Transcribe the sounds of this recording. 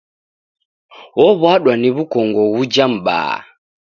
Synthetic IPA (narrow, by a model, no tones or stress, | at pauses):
wɔβwaɗwaniβukɔŋɡɔɣud͡ʒam̩ɓa̰ː